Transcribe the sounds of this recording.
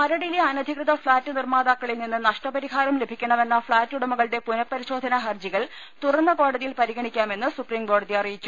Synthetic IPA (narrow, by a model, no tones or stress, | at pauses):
mɐɾɐɽileɐnɐd̪ʱikrɨðɐfɭaːtːɨnirmaːðaːkːɐɭilninːɨnɐʂʈɐpɐɾiɦaːɾɐmle̞bʱikʲːɐɳɐʋe̞nːɐfɭaːtːuɽɐmuɣɐɭɽe̞punɐpːɐɾiɕo̞ːd̪ʱɐnɐɦɐrd͡ʑiɣɐɭ | t̪urɐnːɐko̞ːɽɐðijilpɐɾiɣɐɳikʲːaːme̞nːɨsupriːmko̞ːɽɐðiɐrijit͡ɕːu